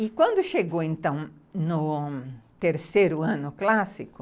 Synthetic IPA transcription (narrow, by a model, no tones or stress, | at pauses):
ɪkwɐ̃nd̪ʊʃeɡowẽnt̪ɐ̃w̃nʊ | t̪eɾsejɾʊɐ̃nʊklasikʊ̥